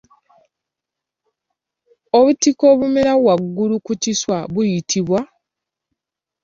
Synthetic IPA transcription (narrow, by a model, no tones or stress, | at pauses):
oβutiko̞ːβumeɾawaɡːulukuciswaβujitʰiβwa